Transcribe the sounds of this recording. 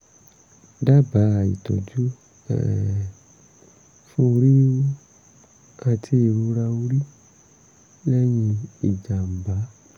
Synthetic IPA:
da˦ba˨˦˨ḭ˨tɔ̰˨d͡ʒu˦ | ɛ̰˨ | fũ˦˧ɾi˦ | a˧tʰi˧˦e˧˨ɾu˧ɾa˧u˧ɾi˦ | lɛ˦jĩ˧i˦˨d͡ʒa˨m̩˨ba˨˦

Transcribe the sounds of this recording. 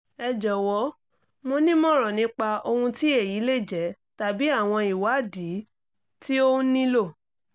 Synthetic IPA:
ɛ˧˨d͡ʒɔ˨wɔ˨˦ | mo˧nĩ˦mɔ̃˦ɾ̃ɔ̃˨nĩ˨˦k͡pa˧o˧hũ˧ti˦e˦˨ji˨˦le˦˨d͡ʒɛ˨˦ | ta˧bi˨˦a˦˨w̃ɔ̃˧i˨wa˨˦˨di˨˦ | ti˦õ˦nĩ˦lo˦˨

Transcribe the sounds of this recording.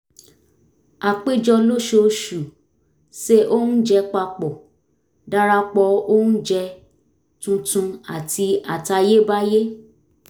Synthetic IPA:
a˨k͡pe˦d͡ʒɔ˧lo˦ʃo˧ʃu˨ | ʃe˦ʔo˦nũ˦d͡ʒɛ˧k͡pa˧k͡pɔ˨ | da˦ɾa˧k͡pɔ˧o˦nũ˦d͡ʒɛ˧ | tũ˧tũ˧a̰˨ti˧a˨ta˧je˦ba˦je˦

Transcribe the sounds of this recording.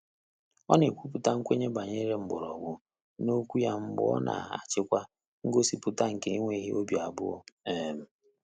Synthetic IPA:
ɔ˦ne˨kʷu˦p̬ʊ˨ta˦ŋ̩˦kʷe˦ɲe˦ba˨ɲe˦ɾe˦m̩˨bʊ̰˨ɾɔ˨bʊ˦ | no˦kʷu˦ja˦m̩˦bʊ̰˦ɔ̰˦nʔa̰˨a̰˨t͡ʃɪ˦kʷa˦ | ŋ̩˦ɡo˦si˨pʊ˦ta˦ŋ̩˨ke˨˦i˦ŋʷe˦ɦi˦o˦bi˨a˨bʊ̰˦ɔ̰˦e˦˨m̩˦

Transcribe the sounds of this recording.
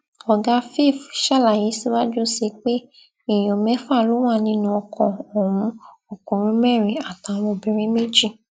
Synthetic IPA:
ɔ˨ɡa˧fe˦˨fʃa˦˨la˨ji˨˦si˦wa˦d͡ʒu˦se˧k͡pe˦ | i˦˨j̃ɔ̃˨mɛ̃˨˦fa˦˨lo˨˦w̃a˦˨nĩ˦nũ˧˦ɔ˧kʰɔ̃˧ɔ̃˨ɾũ˦ | o˦˨kũ˨ɾ̃ĩ˧˦mɛ˦˨ɾ̃ĩ˧a˨ta˨˧˦mõ˧bĩ˧˦ɾ̃ĩ˦me˦d͡ʒi˦˨

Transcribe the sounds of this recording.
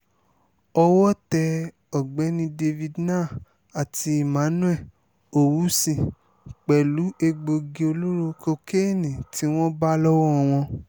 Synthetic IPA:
ɔ˧wɔ˦tɛ˧ | ɔ˨ɡ͡bɛ˨˦nĩ˦de˧vi˧dnãː˦˨ | a˨ti˧i˦˨mã˨˦nũ˦ɛ˦˨ | o˨wu˨˦sĩ˦˨ | k͡pɛ˨lu˨˦ʔe˧ɡ͡bo˧ɡe˧o˧lo˦ɾo˧ko˧ke˦˨nĩ˨ti˨˦w̃ɔ̃˦ba˦lɔ˦wɔ˦ɔ˧w̃ɔ̃˧

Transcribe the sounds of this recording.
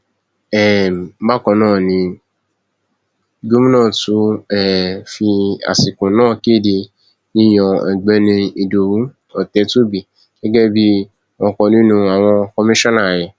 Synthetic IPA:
ɛ˨˦ba˦˨kɔ̃˧nãː˦˨nĩ˧˦ | ɡo˦mĩ˦nã˦˨tu˨˦ɛ˦˨fi˧a̰˨si˨kũ˨˦nãː˦˨ke˦˨di˧ | nĩ˦˨j̃ɔ̃˨ɛ̰˨ɡ͡bɛ˨˦nĩ˧i˧do˨wu˨˦ | ɔ˨tɛ˨˧˦tu˦˨bi˨ | ɡ̥ɛ˦ɡɛ˦bi˦ | ɔ̃˧kɔ̃˧nĩ˦nũ˧a˨w̃ɔ̃˧kɔ˧mĩ˦ʃɔ̃˦nã˦˨jɛ˨

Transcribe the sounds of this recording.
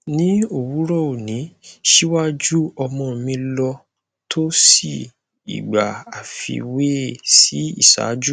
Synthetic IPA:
nĩ˦o˨wu˨˦ɾɔ˦o˨nĩ˨˦ʃi˦wa˦d͡ʒu˦ɔ˧mɔ̃˧˨mĩ˧lɔ˧ | tʰo˦si˦˨ | ḭ˨ɡ͡ba˨a˨fḭ˧˨we˦si˦ḭ˦˨sa̰˨˦d͡ʒu˦

